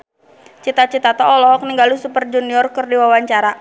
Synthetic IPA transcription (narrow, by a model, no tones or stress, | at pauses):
t͡ʃit̪at͡ʃit̪at̪ɔɔlɔɦɔk̚niŋɡalusupərd͡ʒuniɔrkərdiwawaɲt͡ʃaɾa